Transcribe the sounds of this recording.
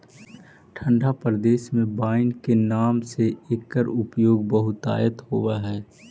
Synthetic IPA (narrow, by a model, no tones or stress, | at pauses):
ʈʰə̃ɳɖʱapɾəd̪eːʃmẽbaːɪnkenaːmseeːkːəɾʊpjoːɡ̚bəɦʊt̪a̰ːjət̪ɦoːwaɦɛː